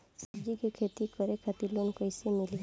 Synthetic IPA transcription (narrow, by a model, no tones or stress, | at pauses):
səbd͡ʒikekʰet̪ikəɾekʰat̪ilonkəɪsemɪli